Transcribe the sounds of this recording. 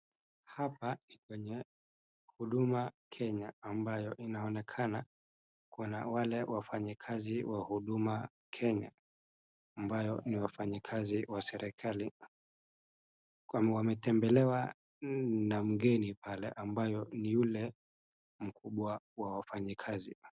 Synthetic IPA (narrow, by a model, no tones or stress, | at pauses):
hapanikwɛɲɛ | huɗumakʰɛɲaːmbajɔʔinaɔnɛkʰana | kɔna̰walɛwafaɲikʰaziwahuɗuma | kʰɛɲa̰ː | mbajɔniwafaɲikʰaziwasɛɾʔɛkʰali | awamɛtɛmbɛlɛwa | nam̩ɠɛnipalɛ̰ʔambajɔnijulɛ | m̩kʰuɓwa | wawafaɲikʰazḭ